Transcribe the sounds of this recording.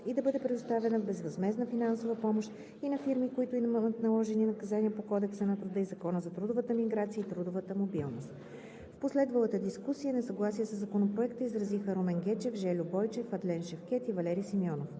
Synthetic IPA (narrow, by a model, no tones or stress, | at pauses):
id̪ɐbɤd̪ɛpɾɛd̪ʊst̪avɛnəvbɛzvɐzmɛznəfinansovəpɔmoʃt̪ | inɐfiɾmikoit̪ʊiət̪nɐlˠɔʒɛninɐkɐzaniəpokɔd̪ɛksənɐt̪ɾud̪əizɐkɔnəzɐt̪ɾud̪ovət̪əmiɡɾat̪sijəit̪ɾud̪ovət̪əmobilˠnost̪ | fposlɛd̪vəlˠət̪əd̪iskusijənɛsɐɡlˠasiəsəzːɐkonopɾoɛkt̪əizɾɐzixəɾomɛŋɡʲɛt͡ʃɛfʒɛlʲʊbɔjt͡ʃɛfɐd̪lɛnʃɛfkʲɛt̪ivɐlɛɾijsimiɔnof